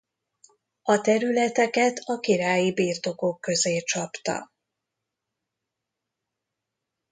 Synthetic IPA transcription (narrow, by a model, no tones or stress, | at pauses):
ɒt̪ɛɾylɛt̪ɛkɛt̪ʰɒkiɾaːjibiːrt̪o̞ko̞kːø̞zeːt͡ʃɒpt̪ɒ̰